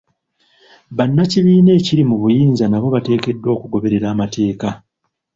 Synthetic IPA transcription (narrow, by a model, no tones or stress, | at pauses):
βanːaciβiːne̞ːciɾimuβujiːnzanaβo̞βate̞ːke̞dːwo̞ːkuɡo̞βe̞ɾe̞ɾaːmatʰe̞ːka